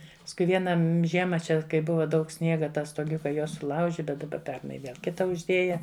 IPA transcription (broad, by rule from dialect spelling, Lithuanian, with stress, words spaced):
pɐskʊɪ ˈʋʲiɛnɐ m ˈʒʲiɛmɐ ˈt͡ʃʲɛ kɐɪ ˈbʊʋɐ ˈdɐʊk ˈsʲnʲiɛɡɐ ˈtɑː stoːˈɡʲʊkɐ ˈjuɔ sʊˈlˠɐʊʒʲɪ bʲɛt dɐˈbɐ ˈpʲɛrnɐɪ ˈʋʲiɛlˠ ˈkʲɪtɐ ʊʒʲˈdʲeːjɛ